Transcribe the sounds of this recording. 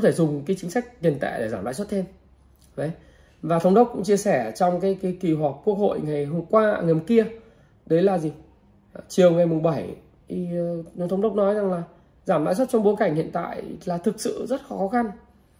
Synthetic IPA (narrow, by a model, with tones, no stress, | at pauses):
ŋ͡mt̪ʰe˧˩zʊ˨˩ŋ͡mkaː˨˦jt͡ɕï˨˦ŋsa˦˥jk̟̚t̪i˨˩ənt̪a̰ː˧˨jɗe˧˩zaː˧˩mla̰ː˧˨sə˦˥t̪ʰe˧m | və˨˦j | vaː˨˩t̪ʰə˧˦wŋ͡mɗə˦˥k͡p̚kʊ̰˧˥ŋ͡mt͡ɕi˧əsɛ˧˩t͡ɕɔ˧wŋ͡mkaː˨˦jkaː˨˦jki˨˩ɦwa˨˩k̚ku˦˥ək̚ho̰˧˨jŋa˨˩jɦo˧mkwaː˧˨ŋə˨˩˨ki˧ə | ɗə˨˦jlaː˨˩zi˨˩˨ | t͡ɕi˨˩əwŋa˨˩jmʊ˨˩ŋ͡mɓə˧˩j | i˨˩˨t̪ʰə˧˦wɗə˦˥k͡p̚nɔ˨˦jza˨˩ŋlaː˨˩ | zaː˧˩mla̰ː˧˥jswə˦˥t̚t͡ɕɔ˧wŋ͡mɓo˨˦ka˧˩jŋ̟hḭ˧˨ənt̪a̰ː˧˨jlaː˨˩t̪ʰɨ˨˩k̚sɨ̰˧˨zə˦˥t̚xɔ˨˦xɔ˨˦xa˧n